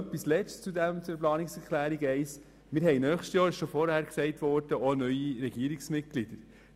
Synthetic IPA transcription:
œpːislɛt͡st͡sud̪ɛmt͡suɛɾplɑːniksɛɾkʰlæːɾiɡɛɪs | mɪːɾɦɛɪnœːχʃtjɑːɾʃofɔɾhæːɾksɛɪtʋɔɾd̥əonœʏiɾɛɡ̥iəɾiksmɪt̚ɡlid̥̪əɾ

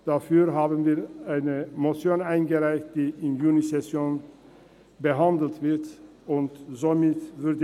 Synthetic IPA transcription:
d̥afyːɐɦaːbnviːɐʔaɪnəmot͡sjoːnaɪnɡəʁaɪçt̚d̥iːɪnjuːnisɛsjoːn | bəɦandl̩tv̥ɪɐt | ʔʊntzomɪtvʏɐdə

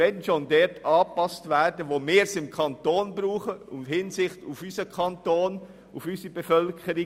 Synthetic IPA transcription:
ɛnnʃoːndɛtɑːpɑstvɛːɾdəʋoːmeːɾsɪmkʰɑntoːnbɾuːχəʊnthɪnsɪχtufysəkʰɑntoːn | ṵfysəbefœlkʰəɾɪ

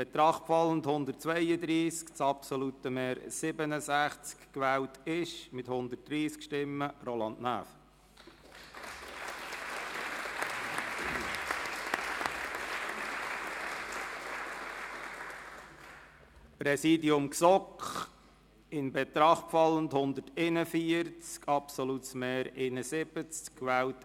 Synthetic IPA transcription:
b̥ɛt̪ɾɑχtfɑlːənt̪hʊnd̪ərt̚t͡sʋɛjəd̪ɾiːskt͡sɑpsɔlut̪əmɛːɾsɪbənəsæχt͡skkʋɛːltɪʃmɪt̪hʊnd̪ət̚ːɾiːskʃtɪmːərolɑndnæ̰ːf | pɾɛsiːdiʊmksɔkχ | ɪnbɛt̪ɾɑχpfɑlːənthʊnd̪ətenəfiəɾt͡skʰɑpsɔlutsmeːɾenəsɪb̥ət͡skkːʋæːwt

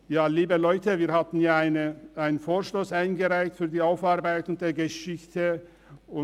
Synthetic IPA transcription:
jaːliːbəlɔʏtʰəviːɐhatn̩jaːaɪnəʔaɪnənfoːɐʃtoːsʔaɪnɡəʁaɪçtfyːɐdiːaʊfaʁbaɪtʊnt̚d̥eːɐɡəʃɪçtʰə | ʊ

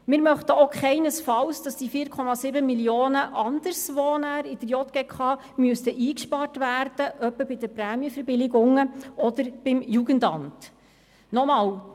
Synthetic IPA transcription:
mɪːɾmœχt̪əokχɛɪnəsfɑwsd̥ɑsd̥ifiːɾkʰɔmɑsɪbəmilioːnəʔɑnd̥̪əɾsʋɔːnæɾid̥əɾjɔt̪ɡ̥ekʰɑː | myəstəʔiːkʃpɑrtvæːɾd̥əʔœpːəbɪd̥əpræːmiəfəɾbɪlɪɡʊŋəɔd̪əɾb̥ɪmjuɡəntɑmt | nɔmɑːw

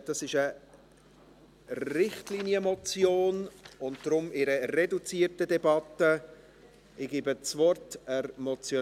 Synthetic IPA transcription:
d̥ɑsɪʃə | ɾɪχtlinjəmɔt͡sjoːnʊnt̚d̥ɾʊmɪɾəɾɛdut͡siːərtədɛbɑtːə | ɪɡ̥iːbət͡svɔɾtəmɔt͡sjo

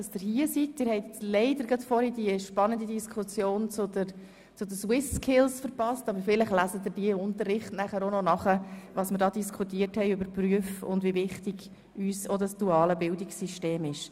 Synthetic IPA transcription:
dɑsd̥ɪɾhiːəsit̚dɪɾhɛɪtt͡slɛɪdəɾɡɑtfɔɾid̥iəʃpɑnəndidiskχʊt͡sjoːnt͡sʊdə | t͡sʊdəswɪskʰɪlsfəɾpɑstɑbəɾfɪlɪχlæsəd̪ɪːɾd̥iəʊntərːɪχtnæχəɾonɔnɑχəʋɑːsməɾdɑːdiskʰutiərthɛɪøbəɾpryəfʊ̰ndʋivɪχtiɡ̥ | yːsodɑsd̥uɑːləbɪldɪksiʃteːmɪʃ

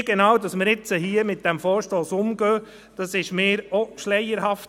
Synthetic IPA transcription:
ɡ̥enɑːwdɑsməɾɪt͡səhiːəmɪt̚d̥ɛmfɔːɾʃtoːsʊmɡ̥øː | d̥ɑsɪʃmeːɾoʃlɛɪəɾɦɑft

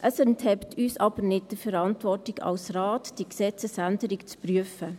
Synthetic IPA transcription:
ʔəsɛnthɛptʰyːsɑb̥əɾnɪt̚d̥əfɛɾɑntʋɔrtɪɡɑ̰lsraːtd̥iəksɛt͡səsændəɾɪkt͡spryəfə

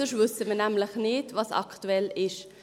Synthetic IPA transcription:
əʃvʏsəmənɛmlɪχneːdvɑsɑ̰ktuɛlɪʃ

